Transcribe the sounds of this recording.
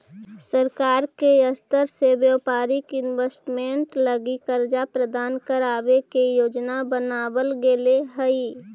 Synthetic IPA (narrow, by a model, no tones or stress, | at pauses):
səɾkaːɾkeəst̪əɾseʋjəwpaːɾɪkɪnwesʈmẽɳʈləɡikəɾd͡ʒapɾəd̪aːnkəɾaːʋekejoːd͡ʒnabənaːwəlɡeleɦəi